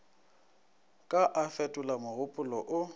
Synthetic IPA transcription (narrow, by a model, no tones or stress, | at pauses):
kʼaʔafɛtʼʊlamʊɣʊpʼʊlɔʔʊ